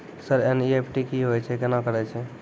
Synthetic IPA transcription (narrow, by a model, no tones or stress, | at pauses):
səɾeniepʰʈikiɦojt͡ʃʰɛkenakəɾɛt͡ʃʰɛ